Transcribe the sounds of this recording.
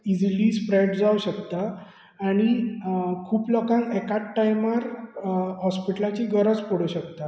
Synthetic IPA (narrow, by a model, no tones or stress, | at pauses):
id͡ziliːspɾeɖd͡zauɕəkt̪aː | ɽ̃i | kʰuːpləkãŋɡɛkaʈːajməɾ | ɦɔspiʈəlat͡ɕiɡəɾəd͡zpɔɽ̤əɕəkt̪a